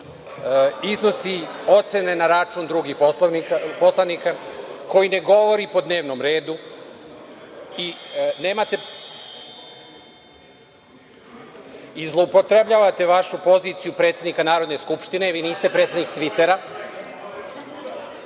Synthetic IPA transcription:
izno̞si | o̞t̪se̞ne̞naɾat͡ʃuːnd̪ɾuɡixposanikapo̞slˠanikako̞jine̞ɡo̞ʋo̞ɾipo̞d̪ne̞ːʋno̞mɾe̞ːd̪u | ineːmat̪e̞ | izlˠo̞upot̪ɾebʎaːʋat̪e̞ʋaʃupo̞ziːt̪sijupɾe̞t̪sjed̪nikanaːɾod̪neskupʃt̪ine̞ʋiːniːst̪e̞pɾet̪sed̪nikt̪ʋit̪e̞ɾa

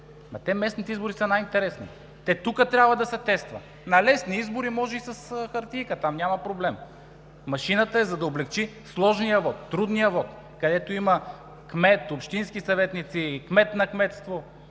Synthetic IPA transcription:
mɐt̪ɛmɛsnit̪ɛizboɾisɐnajint̪ɛɾɛsnḭ | t̪ɛt̪ukət̪ɾʲabvɐd̪ɐsɛt̪ɛst̪vɐ̰ | nɐlɛsniizboɾimɔʒɛisɐsxɐɾt̪ʲijkət̪amnʲamɐpɾoblɛm | mɐʃinət̪əɛzɐd̪ɐoblɛkt͡ʃislˠɔʒnijəvɔt̪ːɾud̪nijəvɔt̪ | kɐd̪ɛt̪oimɐ | kmɛt̪opʃt̪inskisɐvɛt̪nit̪sikmɛt̪nɐkmɛt̪st̪vo

